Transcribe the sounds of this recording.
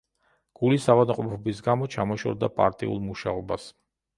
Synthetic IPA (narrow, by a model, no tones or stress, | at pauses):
ɡ̥ulisavad̪mqʼɔpʰɔbisɡamɔt͡ʃʰamɔʃɔ̰ɾd̪apʼa̰ɾt̪ʼḭṵlˠmuʃaɔbas